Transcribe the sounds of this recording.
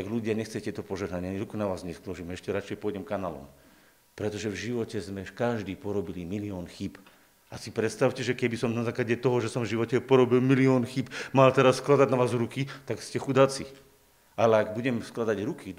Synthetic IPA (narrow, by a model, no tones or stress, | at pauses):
t̪aɡʎuɟɪaɲɛxt͡sɛjatɪɛt̪ɔpɔʒɛɦnaɲɪaaɲiɾukunaʋaːzɲɛskluʒimɛʃcɛɾat͡ʃɛjpɔjɟɛmkanalɔ̰m | pɾɛt̪ɔʒɛvʒiʋɔcɛzmɛkaʒd̪iːpɔɾɔbilimiliɔːnxib | asipɾɛt̪st̪aʊcɛʒɛkɛbisɔmnazaːklaɟɛt̪ɔɦɔʒɛsɔmvʒiʋɔcɛpɔɾɔbilmiliɔːnxibmalt̪ɛɾasːklad̪aɟnaʋaːzɾukit̪akscɛxud̪at͡si | alɛaɡbuɟɛmsklad̪aɟɾuki